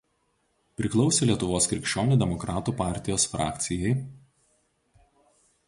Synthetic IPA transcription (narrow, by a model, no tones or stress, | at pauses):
pʲɾʲɪklˠɒʊsʲeːlʲiɛt̪ʊʋoːskɾʲɪkʃʲt͡ʃʲoːnʲuˑd̪ʲɛmɔkɾɑːt̪uːpɑˑɾʲt̪ʲɪjoːsfɾɑ̰ːkt̪sʲɪjɛɪ